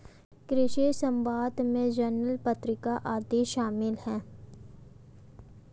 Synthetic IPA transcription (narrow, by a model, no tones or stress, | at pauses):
kɾɪʃesə̃mbaːd̪mẽd͡ʒənːəlpət̪ɾɪkaʔaːd̪iʃaːmɪlhɛ̃ː